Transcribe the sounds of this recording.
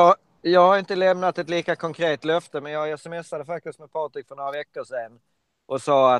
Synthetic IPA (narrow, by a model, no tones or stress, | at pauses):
ɑ | jɑːɡhaɾɪnt̪əlɛmnat̪ɛt̪liːkakʰɔŋkʰɾeːt̪lœft̪əmɛnjɑːɡɛsɛmɛsːad̪əfak̚t̪ɪst̪̚mɛd̪̚pʰɑːʈ̪ɾɪkfœɳoːɾavɛkːəʂɛn | ʔɔsɑːa